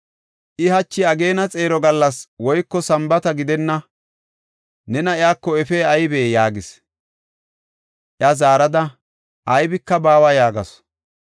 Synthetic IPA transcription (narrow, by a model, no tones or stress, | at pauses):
ʔɪhɐt͡ʃːɪɐɡe̞ːnɐt͡sʼe̞ːɾɔɡɐlːɐswɔjkːɔsɐmbɐt̪ɐɡɪd̪ɛnːɐ | nɛnɐɪaːkːɔɛfeːɐjbeːjaːɡɪs | ʔɪɐzaːɾɐd̪ɐ | ʔɐjbɪkːɐbaːwajaːɡɐs